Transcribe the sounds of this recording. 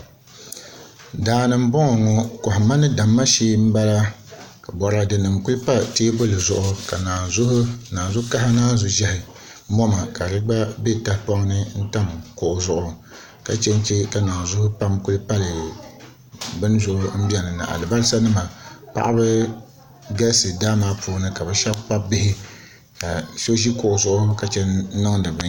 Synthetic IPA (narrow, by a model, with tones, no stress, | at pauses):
daː˨nɨ˨m̩˦bɔ˦ŋɔ˨ŋɔ˦kʊ˨hʊ˨ma˦nɨ˦da˨mːa˦ʃeː˦m̩˦ba˦la˦ka˨bɔ˨ɾa˨dɨ˨nɨ˨mkʊ˦lpa˦teː˦bʊ˦lɨ˨zʊ̰˨ʔʊ˨ka˨naː˨zʊ˦hʊ˦naː˨zʊ˦ka˦ɦa˦naː˦zʊ˦ʒɛ˦hɪ˨ | mɔ˦ma˨ka˨ɾɨ˦ɡ͡ba˦be˦ta˦hpɔ˦ŋ˦nɨ˦n̩˦ta˦mkʊ˨ʔʊ˨zʊ˨ʔʊ˨ | ka˦t͡ʃɛ˦n˦t͡ʃe˦ka˨naː˨zʊ˦hʊ˦pa˦mkʊ˦lɨ˦pa˦lɨ˨ | bɨ˦n˦zʊ˨ʔʊ˦m̩˦bi˦a˨nɨ˨nɨ̰˨ʔa̰˨lɨ˨ba˦lɨ˦sa˦nɨ˦ma˨pa̰˦ʔa˦bɨ˦ | ɡa˦sɨ˨daː˦maː˦pʰuː˦nɨ˦ka˨bɨ˦ʃa˦bk͡pa˦bɪ˦hɪ˦ | ka˨ʃo˦ʒi˦kʊ˨ʔʊ˨zʊ˦ʔʊ˦ka˦t͡ʃɛ˦n˦nɨ˦ŋdɨ˨bɨ˨˦